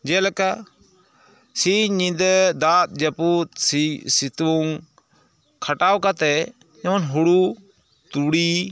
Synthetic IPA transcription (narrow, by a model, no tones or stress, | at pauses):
d͡ʒɛlɛka | siɲĩd̪d̪at̪̚d͡ʒəput̪̚sisit̪uŋ | kʰaʈawkat̪ɛ | ɲɛwɔnɦuɽu | t̪uɽi